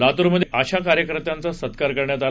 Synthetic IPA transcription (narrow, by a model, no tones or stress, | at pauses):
lat̪uɾməd̪ʱːjʔəɕak̬aɾjəkəɾət̪jant͡sasət̪kaɾkəɾɳjat̪al